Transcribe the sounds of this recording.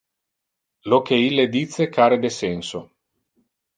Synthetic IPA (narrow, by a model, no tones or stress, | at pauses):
lokeilːed̪it̪sːekʰaːɾed̪esɛnso